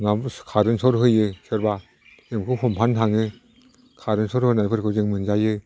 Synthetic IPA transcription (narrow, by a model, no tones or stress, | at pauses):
nakʰaɾɯnsɔɾɦɯjɯsɯɾba | ɯmkʰɯhɔmpʰantʰaŋɯ | kʰaɾɯnsʰɔɾhɯnajpʰɯɾkʰɯzɯŋmɯnd͡ʒajɯ